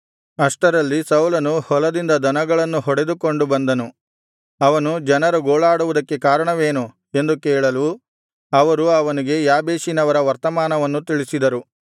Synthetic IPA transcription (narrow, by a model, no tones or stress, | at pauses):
ɐʂʈɐɾɐlːisɐwlɐnuhɔlɐd̪ind̪ɐd̪ɐnɐɡɐɭɐnːuɦɔɽe̞d̪uko̞ɳɖubɐnd̪ɐnu | ɐʋɐnud͡ʒɐnɐɾuɡoːɭaːɽuʋud̪ɐkːe̞kaːɾɐɳɐʋeːnu | e̞nd̪ukɛːɭɐlu | ɐʋɐɾuɐʋɐniɡe̞jaːbeːʃinɐʋɐɾɐʋɐɾt̪ɐmaːnɐʋɐnːut̪iɭisid̪ɐɾu